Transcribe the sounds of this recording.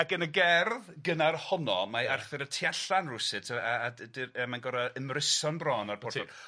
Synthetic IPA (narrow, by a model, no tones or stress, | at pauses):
akənəɡɛrðɡənarhɔnɔ̰maarθɛɾətʰiaɬanrʊsɪtʰaaːdɪəmanɡɔɾaəmrɪsɔnbrɔːnarpʰɔɔ